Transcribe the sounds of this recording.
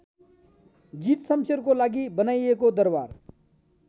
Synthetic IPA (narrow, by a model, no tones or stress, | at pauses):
d͡ʒiːt̪səmsəɾkolaːɡibənaːiekod̪əɾʋa̰ːɾ